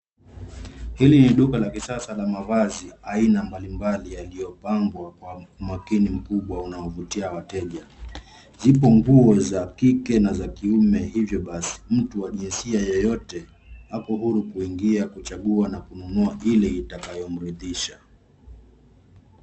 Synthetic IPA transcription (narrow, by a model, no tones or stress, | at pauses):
hiliniɗukalakisasalamavaziainambalimbalijalijɔpaŋɡwakwaumwakinim̩kuɓwaunaɔvutiawatɛʄa | zipɔŋɡuɔzakikɛnazakiumɛhivjɔɓasi̥m̩tuwaʄinsiajɔjɔtɛ | hakɔɦuɾukuiŋɡiakut͡ʃaɠuanakununuaʔilɛitakajɔm̩ɾiðiʃa